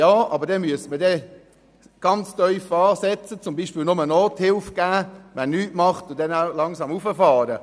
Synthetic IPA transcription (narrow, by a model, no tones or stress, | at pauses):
jɑːɑ̰bəɾdɛmyəsmədɛ | ɡ̥ɑnt͡stœʏfɑːsɛt͡sət͡sʊmbiːʃpiːlnʊmənɔːthɪlfɡ̥æːʋɛnnːyːtmɑχtʊdɛnaʊlɑŋsɑmufəfɑːɾə